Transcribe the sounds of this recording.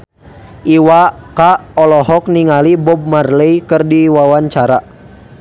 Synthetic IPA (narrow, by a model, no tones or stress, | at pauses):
ʔiwakaɔlɔɦɔk̚niŋalibɔb̚marləjkərdiwawaɲt͡ʃaɾa